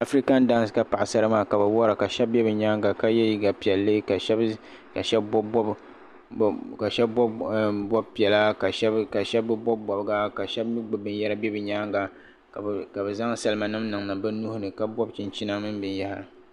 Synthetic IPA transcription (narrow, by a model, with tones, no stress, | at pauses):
a˨fɾi˦ka˦n̩˦da˦n˦sɨ˨ka˦pa˨ʔa˨sa˦ɾɨ˦maː˦ka˨bɛ˨wɔ˦ɾa˨ka˨ʃɛ˦b̚bɛ˦bɨ˨ɲaː˦ŋɡa˨ka˦jɛ˦ji˦ɡa˨pi˨ɛ˨lːɨ˦ka˨˦ | ka˨ʃɛ˦bb | ka˨ʃɛ˦bbɔ˦bpi˨ɛ˨la˦ka˨ʃka˨ʃɛ˦bːɨ˦bɔ˦bbɔ˨bɡa˦ka˨ʃɛ˦bmi˦ɡ͡bɨ˨bɨ˨n˦jɛ˦ɾa˦bɛ˦bɨ˨ɲaː˦ŋɡa˨ | ka˨bɛ˨za˦ŋ˦sa˨lɨ˦ma˨nɨ˦mnɨ˨ŋnɨ˨bɛ˦nu˦hʊ˦nɨ˨ka˦bɔ˦bt͡ʃɪ˨nt͡ʃi˦na˦mɨ˦nbɨ˨nja˦hɾɨ˨